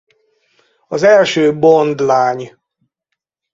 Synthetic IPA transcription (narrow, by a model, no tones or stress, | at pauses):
ɒzɛlʃøːbond̪laːɲ